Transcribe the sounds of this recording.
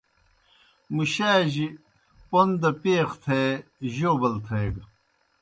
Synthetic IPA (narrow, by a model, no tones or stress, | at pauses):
muɕaːʑi | pond̪ɐpeːxt̪ʰeːʑoːbɐlt̪ʰejɡ